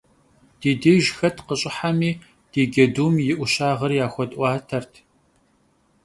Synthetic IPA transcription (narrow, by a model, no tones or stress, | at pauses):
d̥iːdeːʒxɐtʰqəɕʼɪħamiː | d̥iːɡɐduːmjɪʔʷʊɕaːʁɐrjaːxʷɔtʼʔʷɑːtʰɐrtʰ